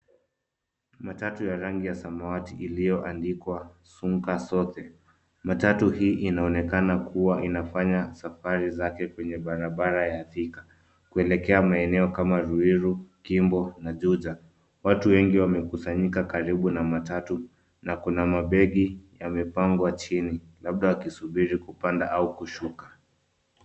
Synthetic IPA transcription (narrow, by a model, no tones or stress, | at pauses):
matatujaɾaŋɡijasamawatiʔilijɔʔandikwa | suŋkasɔθɛ | matatuhiːʔinaɔnɛkanakʰuwaʔinafaɲasafaɾizakɛkwɛɲɛɓaɾaɓaɾajaθikḁ | kuɛlɛkɛamaɛnɛɔkamaɾuiɾukimbɔnaʄuʄa | watuwɛŋɡiwamɛkusaɲikakaɾiɓunamatatu | nakunamaɓɛɠijamɛpaŋɡwat͡ʃinilaɓ̚ɗawakisuɓiɾikupandaʔaukuʃukḁ